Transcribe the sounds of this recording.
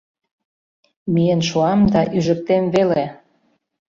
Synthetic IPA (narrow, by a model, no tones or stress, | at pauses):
mijənʃuɑmd̪ɑʔyʒə̆k̚t̪emβele